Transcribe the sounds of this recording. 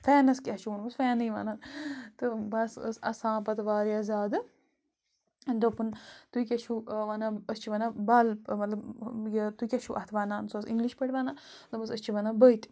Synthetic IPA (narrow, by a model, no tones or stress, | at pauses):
fɛːnɐskʲɐʃunbɐsfɛːniʋa̰ːnaːnt̪ɨbɐsə̰sɐ̰sãːpɐt̪ʋaːɾjaːzaːd̪ɨ | nd̪opunt̪uikʲɐʃʰuʋaːnaːəst͡ʃʰiʋɐːnabaːlmɐt̪lɐbjɐt̪ukʲɐʃuʔɐt̪ʰʋaːnaːnsosḭŋɡliʃpɐʈʲʋaːnaː | t̪obɐs̬ɐst͡ʃʰiʋaːnabəjt̪ʲ